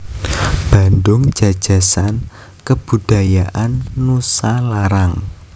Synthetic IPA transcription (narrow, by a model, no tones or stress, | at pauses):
b̥a̤ndʊŋ̥d͡ʒ̥a̤̥ʒ̥a̤san | kəb̥ṳd̥a̤jaʔanːusalaɾaŋ